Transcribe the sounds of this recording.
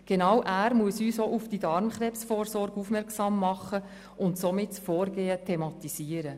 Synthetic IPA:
ɡ̥enɑwʔæːɾmuəsyːsoʔufd̥idɑɾmχɾɛpsfoːɾsɔɾɡ̥ufmɛɾksɑmːɑχə | ʊntsomɪtfɔːrɡeːətʰemɑt̪isiːəɾə

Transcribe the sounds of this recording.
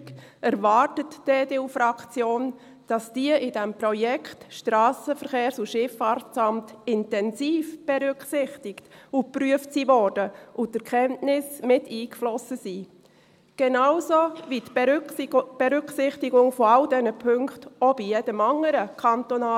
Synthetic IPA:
ɛɾvɑːrtətd̥eːdeːufɾɑkt͡sjoːn | d̥ɑsd̥iəʔɪdɛmpɾɔjɛkχtʃtɾɑːsəfəɾχeːɾsuʃɪfɑɾtt͡sɑmtɪntɛnsiːfb̥ɛɾʏkχsɪχtɪktupɾyəftsiːvɔɾd̥əʔʊtəɾkʰχɛntnɪsmɪtiːkflɔsəsiː | ɡ̥ɛnawsovit̪ | b̥ɛɾʏksɪχtɪɡʊŋfɔɑldɛnəpʰʏŋktɔb̥ijɛd̥əmɑŋəɾəkʰɑnt̪ɔnɑː

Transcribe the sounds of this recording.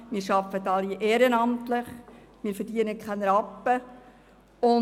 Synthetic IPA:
miːɾʃɑfətɑliʔeːɾənɑmtlɪχ | miːɾfəɾdiənəkχænɾɑpːə | ʊn

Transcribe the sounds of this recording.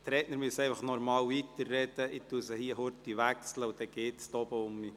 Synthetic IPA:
t̪ɾɛːtnəɾmyəsɛɪfɑχnɔɾmɑːwvit̪ərːɛd̪əɪt̪ːuəsəhiːəɦʊɾt̪iʋæksləʊd̥̪ɛɡ̥eːt̪st̪ɔbəʊmːi

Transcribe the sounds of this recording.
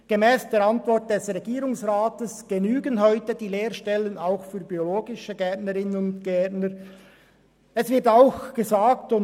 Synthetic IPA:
ɡ̥emɛːsd̥eːɾantvɔɹt̚d̥ɛsʁɛɡiːɾʊŋsʁaːtəsɡ̥enyːɡənɦɔʏtədiːleːʁʃtɛlənaʊxfyːɾbioloːɡɪʃəɡɛtnəɾɪnənʊntɡ̥ɛɐtnəɾ | ɛsvɪɐtaʊxɡ̥əzaːk̚tʊn

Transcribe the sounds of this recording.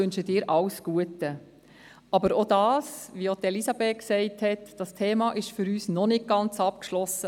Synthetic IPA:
ʏnʃəd̥ɪːɾʔɑwsɡ̥uətə | ɑbəɾod̥ɑːsʋiot̪ɛlisɑbɛːksɛɪthɛtd̥ɑstʰeːmɑʔɪʃfʏɾyːsnɔnɪk̚ɡ̥ɑnt͡sɑp̚kʃlɔsə

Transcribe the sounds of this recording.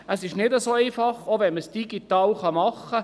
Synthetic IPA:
əsɪʃnɪdəsoːɛɪfɑχoʋɛnməsd̥iɡit̪ɑːlχɑmɑχːə

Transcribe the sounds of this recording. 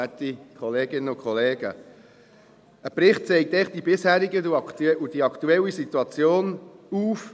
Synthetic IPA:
æt̪ikʰɔleːɡ̥ɪnəʊkχɔleːɡə | əpɾɪχt̚t͡sɛɪk̚t̪ɛχd̥ibɪshæːɾiɡəud̥iɑkʰt̪uɛlːisit̪uɑt͡sjoːnuːf

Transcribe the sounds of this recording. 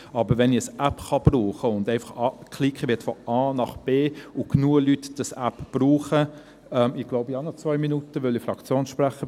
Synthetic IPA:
ɑːbəɾʋɛniəsæpχɑb̥ruːχəʊndɛɪfɑχɑkχlikʰχəʋɪɐtfɔɑːnɑχb̥eːʊknuəlytd̥əsæpb̥ruːχə | ɛmɪɡ̥loʊbihɑnɔt͡svœʏminutəʋʏlifrɑkt͡sjoːnʃpræχə

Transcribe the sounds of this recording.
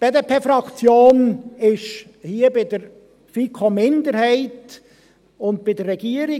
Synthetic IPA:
b̥eːdepʰeːfɾɑkt͡sjoːnɪʃ | hiːəbɪd̥̪əɾ | fikʰomɪndəɾhɛɪt | ʊnt̚b̥ɪdərːɛɡ̥iəɾɪ

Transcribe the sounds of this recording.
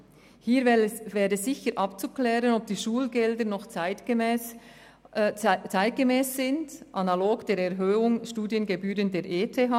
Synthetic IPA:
hiːɾvɛːɾəɛsz̥ɪçəɾʔɑpt͡suklɛːɾənɔb̚d̥iːʃuːlɡɛldənɔχɪtː | t͡saɪt̚ɡ̥emɛːszɪndʔanaloːɡd̥eːɾɛʁɦøːʊŋʃtuːdjənɡebyːɾəndeːɾʔeːtʰeɦaː

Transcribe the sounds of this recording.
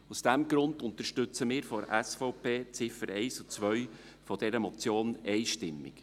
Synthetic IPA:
usd̥æmɡɾʊnd̪ʊnt̪əɾʃtʏt͡səmɪːɾfɔɾæsfɔʊpʰeːt͡sɪfəɾɛɪsut͡sʋœj | fɔd̥ɛɾəmɔt͡sjoːnɛɪʃtɪmːɪ̰k

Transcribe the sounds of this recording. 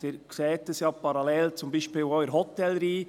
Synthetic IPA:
ɪːɾksɛːtəsjɑːpʰɑɾɑlɛːlt͡sʊmbiːʃpiːlœʏəɾɦɔt̪ːɛlɾiː

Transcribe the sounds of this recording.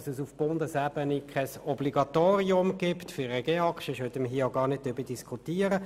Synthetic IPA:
səsufb̥ʊnd̪əsæbənikʰɛsɔbliɡɑt̪oːɾiʊmɡ̥ɪpt̪fyɾəɡeːɑkʃəʃœt̪ːəməɦiːəaʊɡɑːʁnɪd̚d̥̪øbəd̥iskʰut̪iːəɾə

